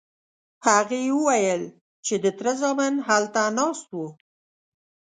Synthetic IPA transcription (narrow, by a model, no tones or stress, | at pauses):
haɣewəwajəl | t͡ʃed̪ət̪ɾazɑmanɦalt̪anɑst̪wu